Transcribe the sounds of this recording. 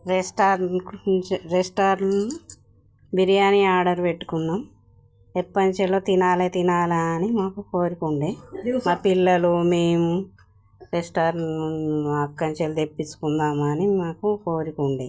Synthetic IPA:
ɾesʈaːɾ | ɾesʈaːɾlu | biɾijaːniaːɾɖɐɾpeʈːu̥kunːaːm | epːɐɲt͡ʃeloːt̪inaːleːt̪inaːlaːnimaːkukoːɾikuɳɖeːmaːpilːɐlumeːmu | ɾesʈaːɾ | ɐkːɐɲt͡ʃelud̪epːit͡ʃːu̥kund̪aːmɐnimaːkukoːɾikuɳɖi

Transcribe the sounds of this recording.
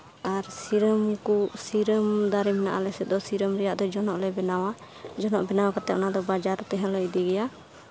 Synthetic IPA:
aɾsiɾəmkusiɾəmd̪aɾimna̰ʔa̰lɛsɛt̪̚d̪ɔsiɾəmɾɛjaʔd̪ɔd͡ʒɔnɔʔlɛbɛnawa | d͡ʒɔnɔʔbɛnawakat̪ɛʔnad̪ɔbad͡ʒaɾt̪ɛɦɛ̃lɔʔd̪ɛɡɛja

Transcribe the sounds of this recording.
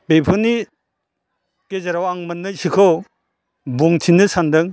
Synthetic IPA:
bejpʰɔni | kezɐɾawaŋmɐnːɯsikʰɔ | buŋtʰinɯsandɐŋ

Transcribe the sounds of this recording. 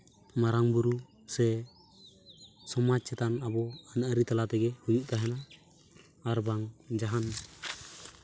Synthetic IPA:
maɾaŋbuɾu | sɛ | sɔmat͡ʃsɛt̪anabɔanaaɾit̪alat̪ɛɡɛhujuʔt̪aɦɛnaː | ɾbaŋd͡ʒaɦan

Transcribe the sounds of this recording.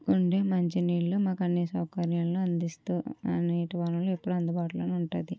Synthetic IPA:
kuɳɖeːmɐɲt͡ʃiniːɭːumaːkɐnːisɐwkɐɾjaːlnuɐnd̪ist̪uːɐ̰neːʈɐʋaːnɐluepːuɽuɐnd̪ubaːʈulɐːnuɳʈud̪i

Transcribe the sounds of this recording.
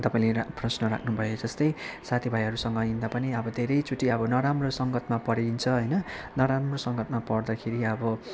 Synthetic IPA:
t̪ʌpaĩleprʌsnʌɾa̰kʰnubʱʌjod͡zʌst̪ʌjsat̪ʰibʱajɦʌɾusʌŋɡʌind̪apʌniʌbʌd̪ʱeɾʌjt͡sʰuʈiʌbʌnʌɾamrosʌŋɡʌt̪mapʌɾint͡sʰʌɦʌjnʌnʌɾamrosʌŋɡʌt̪mapʌrd̪akʰeɾiʌbʌ

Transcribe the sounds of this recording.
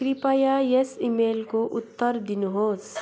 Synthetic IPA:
kɾipaːjajesimeːlkoʔʊt̪ːəɾd̪ɪnɦoːz

